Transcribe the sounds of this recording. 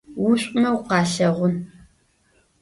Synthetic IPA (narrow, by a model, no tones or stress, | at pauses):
wʊɕʷʼʊmɐwqɑːɬɐʁʷʊn